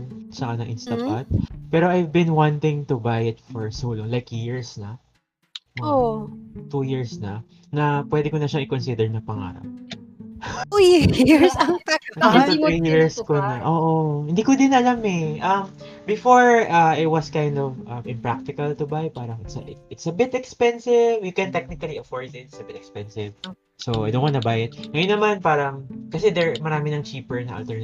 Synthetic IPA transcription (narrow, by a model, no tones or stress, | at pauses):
t͡ʃɐkanɐŋʔɪnst̪ɐat̪̚pɛːɾoʔajvbɪ̃nwãnt̪ɪ̃ŋt̪ʊbajɪt̪fɔɹsuːloŋlajkjɪɹsnɐ | wot̪ujɪɹsnɐ | nɐpwɛd̪ɛkonɐʃaŋɪkonsɪd̪ɛɹnɐpɐŋa̰ːɾɐ̰p̚ | jɹsɐpaɐt̪ijiɹskonɐʔoːʔohɪnd̪iːkod̪ɪnɐlamɛʔɐmbɪfoɹɐɪt̪̚wɐskajnd̪ɔvʔɐmʔɪ̃mpɹak̚t̪ɪkɐlt̪ʊbajpaːɾɐŋɪt̪sɐʔɪɪt̪sɐbɪt̪ɛkspɛnsɪvwikɛ̃nt̪ɛk̚nɪkɐliɐfoɹd̪ɪt̪̚ɪsɐbɪt̪ɛkspɛnsɪv | soa̰jdõnwanɐbaːjɪt̪̚ŋɐjonːɐmanpaːɾɐŋkɐsɪd̪ɛɹmɐɾaːmɪnɐŋt͡ʃiːpɛɹnɐ̰ʔɐ̰lt̪ɛɹn